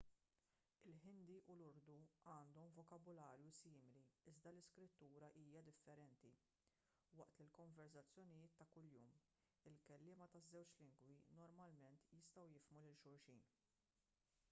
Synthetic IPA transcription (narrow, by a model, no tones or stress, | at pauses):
ɪlħɪnd̪iʔʊlʊɾd̪uɐːnd̪ɔmvɔkɐbʊlɐːɾjusiːmɪliɪzd̪ɐlɪskɾɪt̪ːuːɾɐʔiːjɐd̪ɪfːɛɾɛnt̪i | wɐʔt̪ɪlkɔɱvɛɾsɐt͡sːjɔnɪjɪːt̪ːɐkʊljuːm | ɪlkɛlːɪːmɐt̪ɐzːɛwt͡ʃlɪŋɡwinɔɾmɐlmɛnt̪jɪst̪ɐwjɪfmulɪlʃʊɾʃiːn